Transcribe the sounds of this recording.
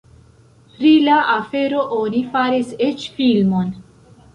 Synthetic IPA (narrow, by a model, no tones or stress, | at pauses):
pɾilaʔafeɾoʔonifaɾiset͡ʃfilmon